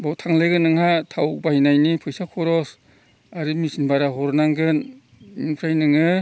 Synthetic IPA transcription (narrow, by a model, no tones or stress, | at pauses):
bawtʰaŋleɡɯnɯŋhatʰawbajnajnipʰɯjsakʰɔɾɔs | aɾimisinbaɾaɦɔɾnaŋɡɯn | inpʰɾajnɯŋɯ